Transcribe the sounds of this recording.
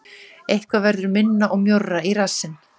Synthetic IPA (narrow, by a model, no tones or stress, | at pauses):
ejhkvavɛɾðʏɾmɪnːaʔɔɣmjowrːairasːɪn